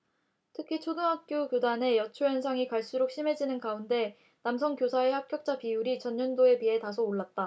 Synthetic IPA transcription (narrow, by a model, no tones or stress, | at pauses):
tʰɯkʰit͡ɕʰoduŋɦak̚k͈jokjodane̞jʌt͡ɕʰojʌnsʰaŋikaɭs͈uɾok̚ɕ͈ʰime̞d͡ʑinɯnkaunde̞ | namsʰʌŋkjosʰae̞hap̚k͈jʌk̚t͡ɕ͈apiuɾit͡ɕʌnɲʌndoe̞piɦe̞tas̬ʰoːɭːat̚t͈a